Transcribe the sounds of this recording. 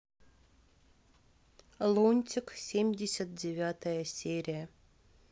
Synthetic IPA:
lˠonʲtʲɪksʲemʲdʲesʲat̪̚dʲevʲat̪əjəsʲeɾʲijə

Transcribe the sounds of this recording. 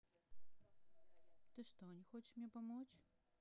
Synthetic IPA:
t̪ɨʂt̪ɔnʲɛxɔt͡ʃɪ̥ʂmnʲɛpamɔt͡sʲ

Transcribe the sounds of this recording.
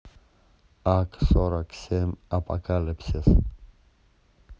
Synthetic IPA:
akʰʼsɔɾakʰsɛmapʼa̰kʰʼalɛpʰsɛs

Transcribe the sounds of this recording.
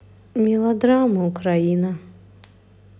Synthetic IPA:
mʲilˠad̪ɾamɨukɾajina

